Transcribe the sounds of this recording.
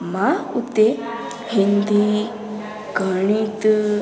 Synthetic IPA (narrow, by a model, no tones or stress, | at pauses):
maṵt̪e | hind̪i | ɡʱəɽ̃it̪